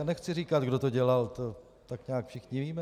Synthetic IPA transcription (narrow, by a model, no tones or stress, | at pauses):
nɛxt͡sɪriːkat̪ɡdo̞t̪o̞ɟɛlalt̪o | t̪akɲaːkfʃɪxɲɪviːmɛ